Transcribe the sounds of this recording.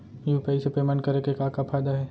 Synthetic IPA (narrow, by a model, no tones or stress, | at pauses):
juːpɛːisepeːmaːnkɐɾekekãːkapʰaːɪd̪aɦɛː